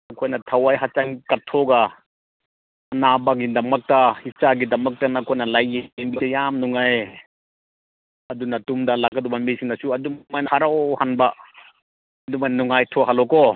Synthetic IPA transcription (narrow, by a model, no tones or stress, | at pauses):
nɐkʰojnɐtʰɐwajɦat͡ʃaŋkɐtʰoɡa | nabaɡidɐmɐk̚tɐhit͡ʃaɡidɐmɐk̚tɐnɐkʰojnɐlajːembitajamnuŋaj | ɐdunɐtumdɐlakːɐdubamisʰiŋnɐsuɐdumajnɐhaɾawhanba | ɐdumajnnuŋajtʰɔɦalɔkɔ